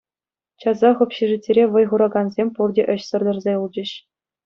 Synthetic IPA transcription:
t͡ɕɑzɑχɤ̆pʲɕiʐɘtʲːeɾʲeʋɤ̆jʁuɾɑɡɑnzʲemʲpurdʲeʔɘ̆ɕsɤ̆rd̪ʲɤ̆rzʲeulˠd͡ʑɘ̆ɕ

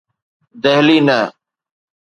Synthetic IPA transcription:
d̪eɦliːnə

